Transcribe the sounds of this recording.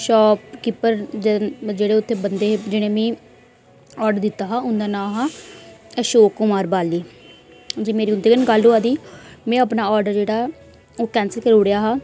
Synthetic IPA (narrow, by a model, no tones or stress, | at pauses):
ʃɔːp̚kɪpːəɾd͡ʒd͡ʒeːɽeːʊt̪ʰːeːbənd̪eːd͡ʒɪɽ̃ẽːmɛ̃ː | ɔːɾɖəɾd̪ɪt̪ːaːɦaːʊ̃nd̪aːnãːɦaːɛʃoːkːʊmaːɾbaːliː | d͡ʒiːmeːɾiːʊnd̪eːɡənɡaluːaːd̪iːmɛ̃ːəpnaːɔːɾɖəɾd͡ʒeːɽaː | oːkɛ̃ːnsəlkəɾʊːɽejaːɦaː